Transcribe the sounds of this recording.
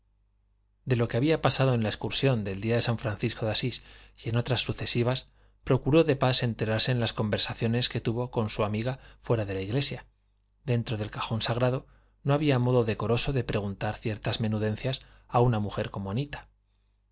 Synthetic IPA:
d̪e̞lo̞ke̞aβiapasaðo̞ẽnlaeskuɾsjo̞nd̪e̞ld̪iaðe̞saɱfɾanθisko̞ðasisje̞no̞t̪ɾasːuθe̞siβ̞as | pɾo̞kuɾo̞ðe̞pase̞nt̪e̞ɾaɾse̞ːnlasko̞mbe̞ɾsaθjo̞ne̞ske̞t̪uβo̞ko̞nsuamiɣafwe̞ɾaðe̞laiɣle̞sja | d̪e̞nt̪ɾo̞ð̞e̞lkaxo̞nsaɣɾaðo̞ | no̞aβiamo̞ðo̞ðe̞ko̞ɾo̞so̞ðe̞pɾe̞ɣ̞unt̪aɾθje̞ɾt̪azmẽ̞nuðe̞n̟θjas | aunamuxe̞ɾko̞moanit̪ḁ

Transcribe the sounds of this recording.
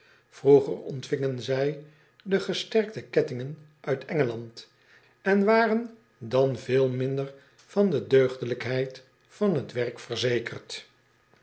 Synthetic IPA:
fruχə̰rɔ̰ntfɪŋənzɛj | dəχəstɛɹk̚təkɛtɪŋən | ʔœɥtʰɛŋəlɑnt | ɛnʋaːrən | dɑnvɪːlˠmɪndər | fɑndədøɥχdələkɦɛjt | fɑnɦətʋɛrkfərzejkərt

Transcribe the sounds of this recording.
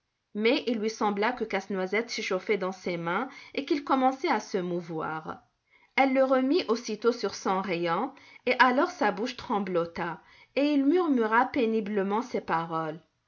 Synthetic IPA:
mɛʔilːɥisɑ̃blakəkasnwazɛt̪seʃofɛd̪ɑ̃semɛ̃ekilkɔmɑ̃sɛasəmuvwa̰ːʁ | ɛlːəʁəmiʔosit̪osyʁsɔ̃ʁijɔ̃eʔalɔʁsabuʃt̪χɑ̃blɔt̪a | eilmyʁmyʁapenibləmɑ̃sepaʁɔl

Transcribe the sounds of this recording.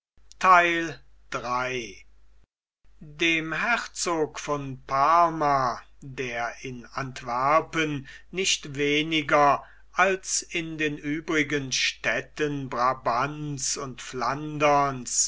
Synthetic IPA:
tʰaɪl | d̥ʁaɪ | deːmhɛχt͡soːkfɔnpʰaɐma | deːɐʔɪnantv̥ɛɐpənːɪʃtveːnɪɡɐ | ʔalsɪndeːnʔyːbʁɪɡənʃtɛtənbʁabansʊntflandɐns

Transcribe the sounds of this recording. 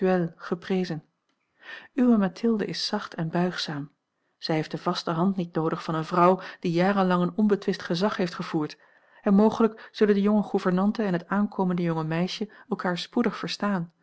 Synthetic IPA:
elˠχəprejzən | ywəmatʰɪlˠdə̰ʔɪsːɑχtʰɛnbœɥχsaːm | z̥ɛjɦejftdəv̥ɑstəɦɑntnit̚nowdəχfɑnənvrʌwd̥ijaːrənlɑŋənɔnbətʋɪstχəzɑχɦejftχəv̥uːɹt | ɛnmowχələkz̥ɵləndəjʊŋəχuvəɹnɑntəɛnɦətaːnkʰoːməndəjɔŋəmɛjʃəɛlˠkaːɹspudəχfəɹstaːn

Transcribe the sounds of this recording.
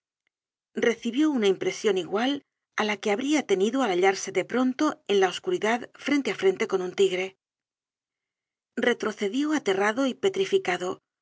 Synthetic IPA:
re̞θiβjo̞unaimpɾe̞sjo̞niɣwal | alake̞aβɾiat̪e̞niðoalaʎaɾse̞ðe̞pɾo̞nt̪o̞e̞nlaoskuɾiðaðfɾe̞nt̪e̞afɾe̞nt̪e̞ko̞nunt̪iɣɾe̞ | re̞t̪ɾo̞θe̞ðjo̞at̪e̞raðo̞ipe̞t̪ɾifikaðo̞

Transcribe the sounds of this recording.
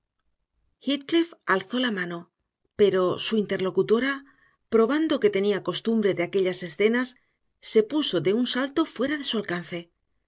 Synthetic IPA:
xit̪̚klifalθo̞lamãno̞ | pe̞ɾo̞suint̪e̞ɾlo̞kut̪o̞ɾa | pɾo̞βand̪o̞ke̞t̪e̞niako̞st̪umbɾe̞ðeake̞ʎase̞sθe̞nasː | e̞puso̞d̪e̞unsalt̪o̞fwe̞ɾaðe̞sualkan̟θe̞

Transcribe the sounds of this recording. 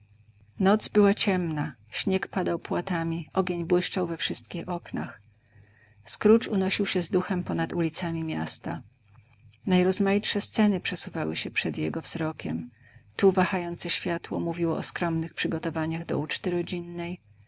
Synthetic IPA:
nɔt̪zbɘwat͡ɕɛmnaɕɲɛkpad̪awpwat̪amʲiʔɔɡʲeɲbwɘʂt͡ʂawvɛfʂɘst̪kʲixɔkna̰x | skɾut͡ʂunɔɕiwɕɛzd̪uxɛmpɔnat̪ulʲit̪samʲimʲjast̪a | najɾɔzmajitʂɛst̪sɛnɘpʂɛsuvawɘɕɛpʂɛd̪jɛɡɔvz̥ɾɔkʲɛm | t̪uvaxajɔnt̪sɛɕfʲjat̪wɔ̰muvʲiwɔʔɔskɾɔmnɘxpʂɘɡɔt̪ɔvaɲaɣd̪ɔ̰ut͡ʂt̪ɘɾɔd͡ʑinːɛj

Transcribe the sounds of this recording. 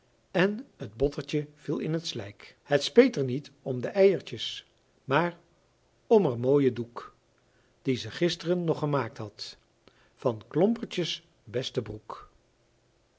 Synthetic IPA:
ɛnɦəd̚bɔtəɹt͡ʃəv̥ilˠɪnɦətslɛjkɦətspejtəɹnitɔmdəʔɛjəɹt͡ʃəs | maːɹ | ɔmərmoːjəduk | d̥izəχɪstərənːɔχəmaːk̚tɦɑt | fɑnklɔmpəɹt͡ʃəs | bɛstəbruk

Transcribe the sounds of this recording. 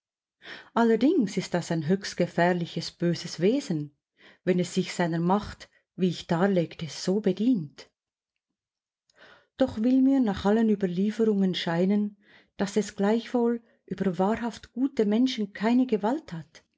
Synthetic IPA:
ʔalːədɪŋsɪst̚d̥asaɪnɦøːçstɡ̥əfɛːʁlɪçəsb̥øːzəsv̥eːzən̩ | vɛnɛsːɪçsaɪnəmaχt | viːɪçd̥aːleːktəz̥oːbədiːnt | d̥ɔχvɪlmiːnaːχʔalənyːbɐliːfəɾʊŋənʃaɪnən | d̥asɛsɡ̥laɪçv̥oːl | ʔyːbəvaːɾɦaftɡ̥uːtəmɛnʃn̩kʰaɪnəɡəvalthat

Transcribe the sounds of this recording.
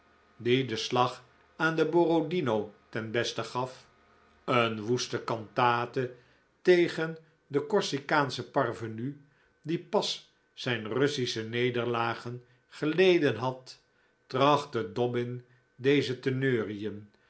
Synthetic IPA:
didəslɑχ | aːndəborodinowtɛnbɛstəχɑf | ənʋustəkɑntaːtə | tejχən | dəkɔɹsikaːnsəpɑrvəny | dipɑs | z̥ɛjnrɵsisənejdəɹlaːχən | χəlejdənɦɑtː | rɑχtədɔbɪn | dejzətənøːriəm

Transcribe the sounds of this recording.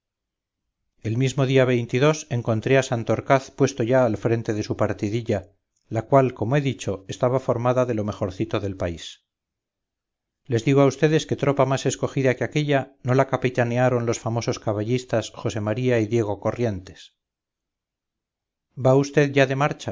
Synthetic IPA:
e̞lmizmo̞ðiaβ̞e̞jnt̪iðo̞se̞ŋko̞nt̪ɾe̞asant̪oɾkaθpwe̞st̪o̞ʝaːlfɾe̞nt̪e̞ðe̞supaɾt̪iðiʎa | lakwalko̞moe̞ðit͡ʃo̞e̞st̪aβafo̞ɾmaðaðe̞lo̞me̞xo̞ɾθit̪o̞ðe̞lpais | le̞zðiɣ̞oaust̪e̞ðe̞ske̞t̪ɾo̞pamase̞sko̞xiðakeake̞ʎano̞lakapit̪aneaɾo̞nlo̞sfamo̞so̞skaβaʎist̪asxo̞se̞maɾiaiðje̞ɣ̞o̞ko̞rje̞nt̪e̞̥s | baust̪e̞ðʝaðe̞maɾt͡ʃa

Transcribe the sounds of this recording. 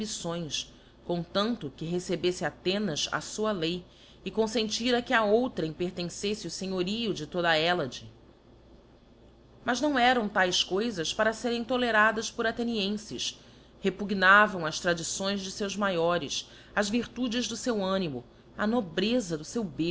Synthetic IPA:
bisõj̃s | kõt̪ɐ̃nt̪ʊkɪɦesebesɪat̪ẽnɐzɐ̰suɐlej | ɪkõsẽnt͡ʃiɾɐkɪɐowt̪ɾɐĩpeɾt̪ẽsesɪʊseɲoɾiʊd͡ʒɪt̪od̪ɐɛlɐd͡ʒɪ | mɐznɐ̃w̃ɛɾɐ̃w̃t̪ajskojzɐspaɾɐseɾẽj̃t̪oleɾad̪ɐspʊɾat̪eniẽsɪʃ | hepuɡnavɐ̃w̃ɐʃt̪ɾad͡ʒisõj̃zd͡ʒɪsewzmajɔɾɪs | ɐzviɾt̪ud͡ʒɪʒd̪ʊsewɐ̃nimʊ | ɐnobɾezɐd̪ʊsewbe

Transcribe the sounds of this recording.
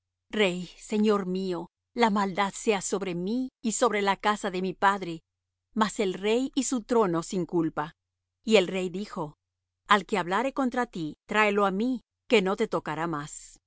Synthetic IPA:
rejse̞ɲo̞ɾmio̞ | lamald̪aðse̞aso̞βɾe̞miːso̞βɾe̞lakasaðe̞mipaðɾe̞ | mase̞lre̞jisut̪ɾo̞no̞siŋkulpa | ie̞lre̞jðixo̞ | alke̞aβlaɾe̞ko̞nt̪ɾat̪it̪ɾaeloami | ke̞no̞t̪e̞t̪o̞kaɾamas

